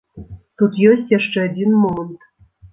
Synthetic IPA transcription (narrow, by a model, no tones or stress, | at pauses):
t̪ut̪josʲtʲjæʂt͡ʂɛɐdʲinmomənt̪